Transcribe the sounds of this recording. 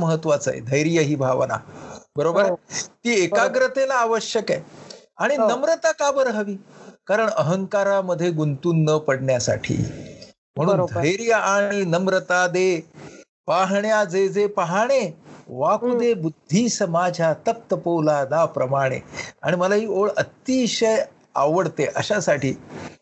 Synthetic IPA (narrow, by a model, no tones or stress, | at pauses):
məɦət̪ːʋat͡sa̰jḛd̪ʱəjɾijəɦiːbʱaʋna̰bəɾobəɾt̪iːekaɡɾət̪elaːʋəɕjəkajaɽ̃inəmɾət̪akabəɾɦəʋiːkaɾəɳəɦəŋkaɾaməd̪ʱːjeɡunt̪uːnːəpəɽɳjasa̰ʈʰḭː | m̤əɽ̃uːnd̪ʱdəjɾijəʔaɽ̃inəmɾət̪ad̪e | paɦɳjad͡zed͡zepaɦaɽ̃eʋakud̪ebud̪ʱːiːsəmad͡ʑʱjat̪ək̚t̪əpowlad̪apɾəmaɽ̃ḛa̰ɽ̃iməlaɦiːoɭət̪iːɕəj | a̰ʋəɽt̪eʔə̰ɕasaʈʰḭː